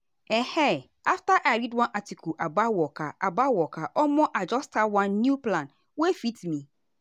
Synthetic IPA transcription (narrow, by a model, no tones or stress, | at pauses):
ɛhɛ | aftaʔaɾidwãnʔatikʰuʔabawɔkʰaʔabawɔkʰaʔɔmɔ̃ʔad͡ʒɔstʰawãnːũplãn | wɔefitmĩ